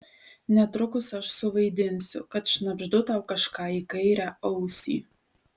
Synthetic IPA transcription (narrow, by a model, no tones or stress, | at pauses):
nʲɛt̪ɾʊkʊsɐʃsʊʋɐɪd̪ʲɪnʲsʲʊ̰kɐt̪ʃʲnɐbʒd̪ʊt̪ɑʊkɐʃkɑːikɐɪɾʲæɐʊsʲḭː